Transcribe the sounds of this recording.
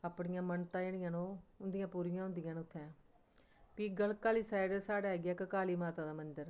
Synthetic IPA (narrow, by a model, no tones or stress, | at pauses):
aːpɳɪjãːmənt̪ãːeːɽɪjãːnõːʊnd̪ɪjãːpuːɾɪjãːɦʊ̃nd̪ɪjãːnʊt̪ʰːɛ̃ː | piːɡəlkaːliːsaːɪɖəsaːɖaːɦɛːɡɛːkkaːliːmaːt̪aːd̪aːmənd̪əɾ